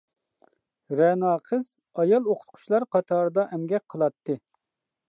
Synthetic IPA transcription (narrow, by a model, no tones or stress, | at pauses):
ɾɛnɑːqʰəz̥ | ɑjɑlˠoqʰʊ̥t̪̚qʰʊ̥ʃlˠɑɾqʰɑt̪ʰɑːɾɨd̪ɑʔɛmɡʲɛk̚ʲqʰəlˠɑt̪ːɨ